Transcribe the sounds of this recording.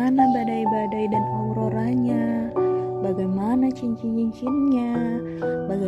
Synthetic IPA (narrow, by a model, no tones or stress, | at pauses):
anabadaibadaidanhɔɾoɾaɲa | baɡajmanat͡ʃiɲt͡ʃit͡ʃiɲt͡ʃinɲa | baɡa